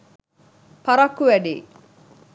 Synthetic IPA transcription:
pɐɾɐkːuʋɛɖḛː

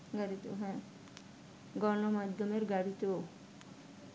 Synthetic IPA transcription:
ɡaɾit̪o̰ɦɛ̃ | ɡɔnɔmad̪ʱjɔmeɾɡaɾit̪o

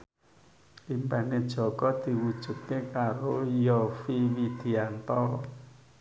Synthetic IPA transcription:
limbaned̥ʒ̥ɔ̤kɔd̪̥i̤wud̥ʒ̥ṳt̪̚kekaɾojɔfiwid̪̥i̤ant̪ɔ

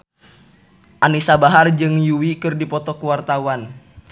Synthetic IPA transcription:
ʔanisabaɦard͡ʒɨŋjuwikɨrdipɔt̪ɔkuwart̪awan

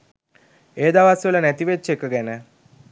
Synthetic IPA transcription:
eːd̪aʋasʋələnæt̪iʋet͡ʃːekəɡænə

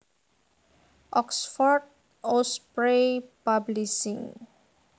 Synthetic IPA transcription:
ɔksfɔɹɖ | ospɹepablisĩŋ

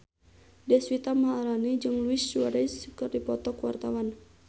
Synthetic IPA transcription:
dɛswit̪amɦaːɾanid͡ʒɨŋluist͡ʃuaɾɛskɨrdipɔt̪ɔkwa̰rt̪awan

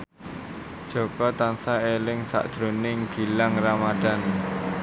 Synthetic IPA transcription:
d̥ʒ̥ɔ̤kɔt̪ansaelɪŋsa̰ʔd̥ʒ̥ɾonɪŋɡ̥i̤laŋramad̥a̤n

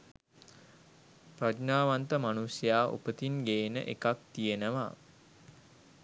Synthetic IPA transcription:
prad͡ʒnaːʋant̪əmanusjaːʔṵpət̪inɡeːnə̰ʔekakt̪ijenəʋa

